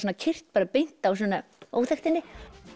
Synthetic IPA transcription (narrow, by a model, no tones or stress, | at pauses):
soːnacʰɪr̥t̪̚paːɾapejn̥t̪aws̬ɔnao̰ːwθɛxt̪ɪnːɪ